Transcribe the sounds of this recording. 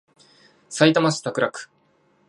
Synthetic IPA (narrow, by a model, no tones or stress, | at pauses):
sait̪amasɨ̥t̪akɯ̟ɾakɯ̥